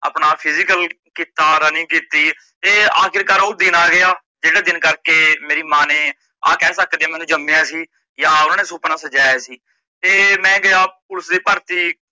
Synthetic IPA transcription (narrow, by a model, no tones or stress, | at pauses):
ə̰ːpnaːpʰɪzɪkəl | kiːt̪aːd̪aːnĩːkiːt̪iː | t̪eːaːkʰɪɾkəɾoːd̪ɪnaːɡɪaː | d͡ʒeːɽaːd̪ɪnkəɾkeːmeːɾiːmãːneː | a̰ːkɛːsəkd̪eaːmɛ̃ːnũːd͡ʒəmːeːãːsiː | jaːʊnãːneːsoːpnãːsəd͡ʒaːjeːsiː | t̪eːmɛ̃ːɡəjaːpʊləsd̪iːpəɾt̪iː